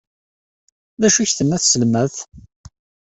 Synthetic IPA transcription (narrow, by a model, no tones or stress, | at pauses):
ðæʃuçθəmːæθsəlmæθ